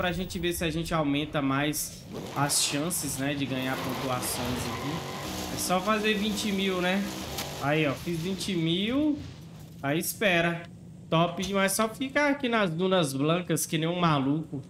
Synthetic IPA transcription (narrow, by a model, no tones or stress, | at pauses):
pɾɐaʒẽt͡ʃɪvesɪaʒẽnt͡ʃɪawmẽnt̪ɐmajs | ɐsʃɐ̃sɪznɛd͡ʒɪɡɐ̃ɲaɾpõt̪uasõj̃zakiɛsɔfazevĩt͡ʃɪmiwnɛaiɛwfizvĩt͡ʃɪmiw | aispɛɾɐ | t̪ɔpɪd͡ʒɪmajssɔfikaakinɐzd̪ũnɐzblɐ̃kɐskɪnẽj̃ũmalukʊ